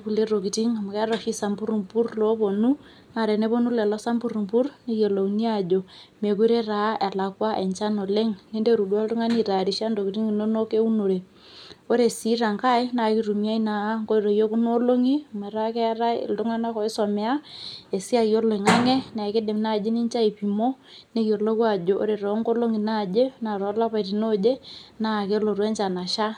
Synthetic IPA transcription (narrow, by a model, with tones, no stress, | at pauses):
ku˨le˦ɾo˨ki˨ti˦ŋa˨ma˨kɛ˦ɾɔ˨ʃi˦sa˨mbu˦ɾu˨mpu˦rlo˨˦po˨nu˦ | ŋa˨ɾɛ˨ne˦βo˦nu˦lɛ˨lɔ˦sa˦mbu˦ɾu˨mpu˦rne˦jo˨lo˨ni˦a˦˨d͡ʒo˨me˨ku˦ɾe˦ra˨˦e˨la˨kwa˦ʔe˨ɲt͡ʃa˦no˨le˦ŋne˦de˦ɾu˨dwa˦ltʊ˦ŋa˦ni˨ɾa˨ɾi˨ʃa˦ndo˨ki˨ti˦ŋi˨no˦no˦ke˦u˦no˨ɾe˨ | o˦ɾe˨si˦ɾa˨ŋka˦i˦na˨ki˦ɾu˨mi˦a˦i˦na˨˦ŋko˦i˦ɾo˨jo˦ku˦no˦lo˦ŋi˦ma˨ɾa˦kɛ˦ɾa̰˦˨ltʊ˦ŋa˦na˦kɔ˨ɪ˦sɔ˨mɛ˨a˦e˨si˦a˦˨kjo˦lo˨i˨ŋa˦ŋe˦na˨ke˦de˨mna˦˨d͡ʒe˦ni˦nt͡ʃa˦i˨pi˨mo˦ | ne˦kjo˨lo˦kwa˦˨d͡ʒo˨ʔo̰˦ɾe˨ɾɔ˨˦ŋko˦lo˦ŋi˨na˦˨d͡ʒe˦na˨ɾɔ˨˦la˦pa˨ɾi˨no˦d͡ʒe˦na˦˨ke˦lo˨ɾwe˦nt͡ʃa˨na˨ʃa˦